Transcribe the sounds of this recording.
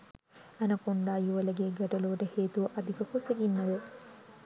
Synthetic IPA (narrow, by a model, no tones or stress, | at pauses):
ɐnɐkoɳɖaːjuʋɐlɐɡeːɡɐʈɐluʋɐʈɐheːt̪uʋɐʔɐd̪ʱikɐkuseɡinːɐd̪ə